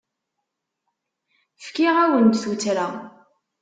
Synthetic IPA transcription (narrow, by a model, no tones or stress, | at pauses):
fkiʁæwənt̪θut͡sɾa